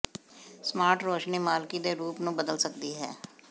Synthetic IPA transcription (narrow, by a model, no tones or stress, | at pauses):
smaːɾʈɾoːʃniːmaːlkid̪eːɾuːpnũbəd̪əlsəkd̪iːɦɛ̰ː